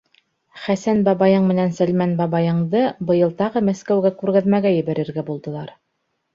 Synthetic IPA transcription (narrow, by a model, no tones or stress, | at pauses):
χæsænbɑβɑjɤɴmɘ̆nænsælmænbɑβɑjɤ̆ɴd̪ɤbɤ̆jɤ̆lˠt̪ɑʁɤmæskæwɡækʉɾɡæðmæɡæjɘ̆βæɾɘ̆ɾɡæbulˠd̪ɤ̆lˠɑɾ